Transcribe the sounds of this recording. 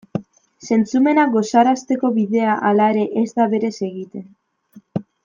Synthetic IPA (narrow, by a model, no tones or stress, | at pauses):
se̞nt͡sume̞naɡo̞saɾast̪e̞ko̞βiðe̞aʔalaeɾe̞ʔezd̪aβe̞ɾe̞se̞ɣit̪e̞n